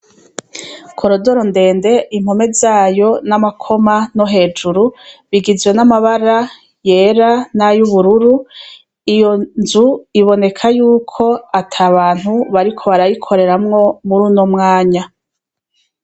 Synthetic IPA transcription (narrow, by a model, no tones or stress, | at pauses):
kʰo̞ɾo̞doɾonde̞ːnde̞ʔim̥home̞zaːjo̞namakʰo̞manoɦe̞ːd͡ʒuɾuβiɡizwenamaβaɾa | jeːɾanajuβuɾuɾu | ijo̞nzuiβo̞ne̞kʰajuːkʰo̞atʰaβaːn̥huβaɾikʰo̞βaɾajikʰo̞ɾe̞ɾamŋo̞muɾunomŋaːɲa